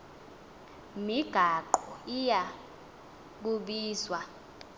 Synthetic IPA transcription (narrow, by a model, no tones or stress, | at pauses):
miɡ̥ʱaǃɔija | k̬uɓiːzwa